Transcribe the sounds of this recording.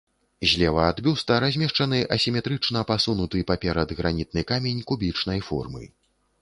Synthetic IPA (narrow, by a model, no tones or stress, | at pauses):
zʲlʲɛvɐad̪bʲust̪ɐɾazʲmʲɛʂt͡ʂɐnɨʔɐsʲimʲɛt̪ɾɨt͡ʂn̪ɐpasunut̪ɨpapʲɛɾɐd̪ɣɾanʲit̪̚nɨkamʲenʲkubʲit͡ʂn̪ɐjfɔ̰rmɨ̰